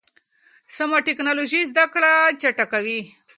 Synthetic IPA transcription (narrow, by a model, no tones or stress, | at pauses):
samoʈeknaloʒizd̪akɭat͡ʃaʈakawi